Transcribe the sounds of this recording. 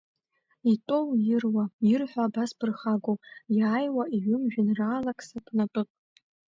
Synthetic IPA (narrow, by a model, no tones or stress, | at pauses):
itʼowjɪrwajɪrħʷᶣaːbasbɨrχaɡojaːjwaʔiɥʏmʒᶣɪnraːlakʼsapʼnapʼɨpʼ